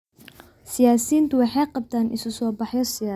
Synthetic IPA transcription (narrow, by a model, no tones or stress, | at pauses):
sɪjaːsiːnt̪ʰʊwɑħɑjqɑb̚t̪ʰaːnʔɪ̰sʊsɔːbɑħjɔsɪjaː